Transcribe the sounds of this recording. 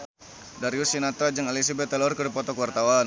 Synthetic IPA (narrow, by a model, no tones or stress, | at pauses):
daɾiusinat̪ɾad͡ʒəŋelis̬abɛt̪ːalɔrkədipɔt̪ɔkuwart̪awan